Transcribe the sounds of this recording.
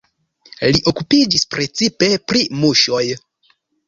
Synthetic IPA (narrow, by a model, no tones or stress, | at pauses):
liʔo̞kupid͡ʒispɾe̞t͡sipe̞pɾimuʃo̞j